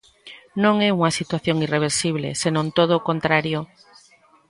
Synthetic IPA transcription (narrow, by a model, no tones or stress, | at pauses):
nõŋɛuŋɐsit̪waθjoŋireβ̞eɾsiβlḛsenõnt̪oð̞okont̪ɾaɾjo